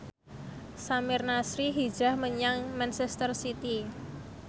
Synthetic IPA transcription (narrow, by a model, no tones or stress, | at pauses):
samɪrnasɾiɦid̥ʒ̥ahməɲaŋmansɛst̪ərsit̪i